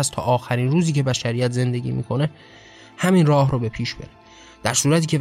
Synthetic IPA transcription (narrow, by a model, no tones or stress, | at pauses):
æst̪ʰɒ̰ːʔɒːxæɾinruːziːcʰe̞bæʃæɾijæt̪ʰze̞nd̪e̞ɟʲḭːmḭkʰo̞ne̞ | hæminrɒːhɾoːbe̞pʰiːʃbeɾe | d̪̥æɾsuːɾæt̪ʰiːcʰe̞